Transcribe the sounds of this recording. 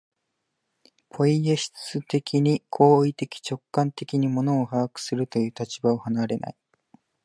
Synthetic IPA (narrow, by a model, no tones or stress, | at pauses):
pʰo̞ijeɕi̥t͡sɨt̪e̞kʲiɲ̟ikʰo̞ːit̪e̞kʲi̥t͡ɕo̞kːãnt̪e̞kʲiɲ̟imo̞no̞ːhaːkɯ̟̥sɨɾɯ̟t̪o̞jɯ̟ːt̪at͡ɕibaohanaɾe̞na̰i